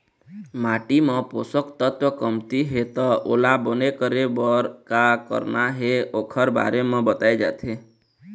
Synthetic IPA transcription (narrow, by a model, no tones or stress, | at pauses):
maʈimə̃posəkt̪ət̪wəkəmt̪iɦet̪ɔʔo̰labənekəɾebəɾkakə̰ɾnaɦeokʰəɾba̰ɾemãbət̪ajd͡ʒa̰t̪ʰe